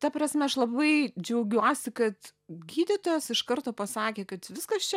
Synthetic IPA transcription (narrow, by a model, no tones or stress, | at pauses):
t̪ɐpɾɐsʲmʲɛɐʃlˠɐbɐɪd͡ʒʲɛʊɡʲuɔsʲɪkɐt̪ɡʲiːd̪ʲɪt̪oːjɛsɪʃkɐɾt̪oːpɐsɑːkʲeːkɐt̪ʋʲɪskɐst͡ʃʲɛ